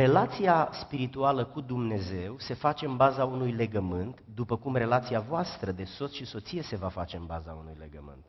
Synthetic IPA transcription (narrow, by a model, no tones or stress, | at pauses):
re̞lat̪sijaspiɾit̪ualəkud̪umne̞ze̞wse̞fat͡ʃe̞ɨnbazaunujle̞ɡəmɨnt̪d̪upəkumre̞lat̪siavoast̪ɾəd̪e̞so̞t̪sʃiso̞t̪sije̞se̞vafat͡ʃe̞ɨnbazaunujle̞̰ɡə̰mɨ̰nt̪